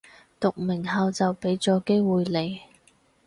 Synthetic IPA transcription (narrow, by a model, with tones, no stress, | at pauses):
t̪ʊ˨k̚mɪ˨˩ŋhɐː˨˧wt͡sɐ˨wpe˨˥jt͡sɔː˨˥ke˥jwuː˨jle˨˧j